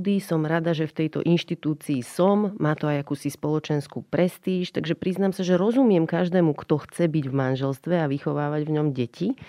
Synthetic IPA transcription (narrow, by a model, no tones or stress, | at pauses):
d̪isɔmɾad̪aʒɛft̪ɛjt̪ɔ̰ʔinʃt̪it̪uːt͡siːsɔmːaːt̪ɔajakuːsispɔlɔt͡ʃɛnskuːpɾɛst̪iːʃt̪aɡʒɛpɾiznaːmsaʒɛɾɔzumɪɛmkaʒd̪ɛːmukt̪ɔxt͡sɛbiɟvmanʒɛlst̪ʋɛaʋixɔʋaːʋaɟvɲɔmɟɛci